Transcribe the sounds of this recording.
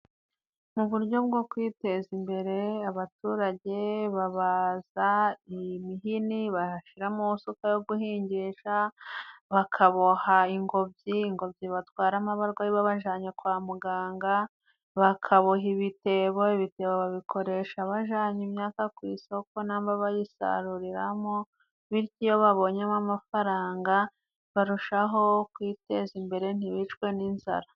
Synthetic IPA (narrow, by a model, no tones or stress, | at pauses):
muβuɾɟo̞b̚ɡo̞kwiːte̞zimbe̞ɾe̞aβatuːɾaɟe̞βaβazaimiɦiniβaʃiɾamusukajo̞ɡuhiːɲɟeʃa | βakʰaβohaiŋɡo̞bɟiːŋɡo̞bɟiβatwaːɾamaβaɾɡwaiβaβaʒaːɲekwaːmuɡaːŋɡa | βakʰaβoɦiβite̞βo̞iβite̞βoβaβikʰo̞ɾe̞ːʃaβaʒaːɲimɲaːkakwiːso̞ko̞naːmbaβajisa̰ɾuɾiɾamo | βiɾcijo̞βaβo̞ɲemamafaɾaːŋɡa | βaɾuʃaɦo̞kwiːte̞zimbe̞ɾe̞n̥iβit͡ʃkwe̞ninza̰ɾa